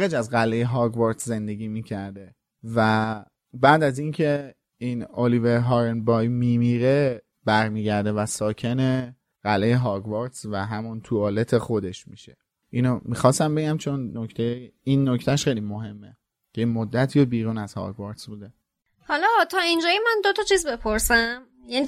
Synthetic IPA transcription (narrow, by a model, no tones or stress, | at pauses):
ed͡ʒæzɢælːejeɦɒɾɡvɔɾt̪sze̞nd̪e̞ɡiːmiːcʰæɾd̪e̞ | væ | bæːd̪æzincʰe̞ | inoliveɾɦɒːɾenbɒjmimiɾe | b̥æɾmiːɟæɾd̪e̞væsɒːcʰe̞ne̞ | ɣ̥ælːejeɦɒːɾɡvɑɾt̪svæɦæmunt̪ʰuɒle̞t̪ʰexo̞d̪e̞ʃmiʃe̥ | ʔinomixɒːst̪æmbe̞ɟæmt͡ʃʰo̞nːoct̪ʰejeinːocʰt̪ʰæʃxejlimoɦe̞mːe | cʰemod̪ːæt̪ʰiːobiːɾuːnæzhɒ̰ɾɡvɑɾt̪sbuːd̪e | hɒlɒt̪ʰɒːind͡ʒɒːjemænd̪ot̪ʰɒt͡ʃʰiːzbe̞pʰoɾsæm | jæni